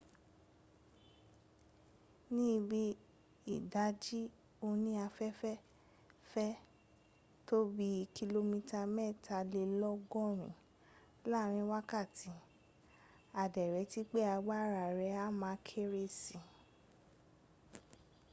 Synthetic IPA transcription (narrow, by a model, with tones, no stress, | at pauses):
nĩ˦˧bi˦ | i˨da˨˦d͡ʒi˦ | o˧nĩ˦a˧fɛ˦fɛ˦ | fɛ˦ | to˦bi˦˧ki˧lo˧mĩ˧ta˧mɛ˦˨tʰa˧le˧lɔ˦ɡɔ˦˨ɾ̃ḭ̃˨ | la˦˨ɾ̃ĩ˧˦wa˦ka˦˨tʰi˨˦ | a˨dɛ˨ɾɛ˨˧˦ti˦k͡pe˦a˧ɡ͡ba˦˨ɾa˨ɾɛ˨˦a˦mã˨˦kʰe˦ɾe˦˨si˨